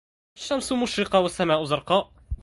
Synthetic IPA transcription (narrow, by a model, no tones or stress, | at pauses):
ʃːamsˤʊmʊʃɾɪqɑwasːamaːʔʊzɑɾˤqɑːʔ